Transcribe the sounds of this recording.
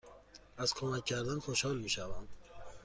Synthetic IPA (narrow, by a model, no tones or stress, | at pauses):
æz̥kʰomæcʰːæɾd̪ænxoʃhɒːlmiːʃævæm